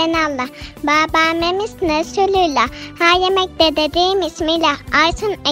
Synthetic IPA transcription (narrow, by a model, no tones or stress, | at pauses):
enalˠːabaːbaːmemisnsylʲylʲahaːjemɛc̚d̪ed̪ed̪iːmismilʲaajsʰɯnɛ